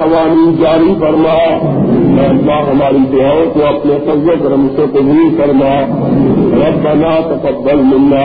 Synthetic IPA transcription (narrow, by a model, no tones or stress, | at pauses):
ɐʋaːniːnd͡ʒaːɾifɐɾmaːmɛ̃ːlːaːɦɐmaːɾid̪ʊaːõkoɐpnesɐɾzokɐɾəmseqʊbulfɐɾmaː | ɾɐbɐnaːt̪ɐkɐbːəlmɪnːaː